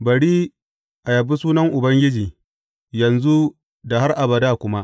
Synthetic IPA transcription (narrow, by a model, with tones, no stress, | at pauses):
bɐ˨ɽiː˦ | ʔa˨jɐ˨bu˦suː˦nɐ˦ŋʔʊ˨bɐ˦ŋɡʲɪ˦d͡ʒiː˨ | jɐ˨nzu˦ | da˨ha˦rʔa˨bɐ˨daː˦˨kʷʊ˦ma˦ʔ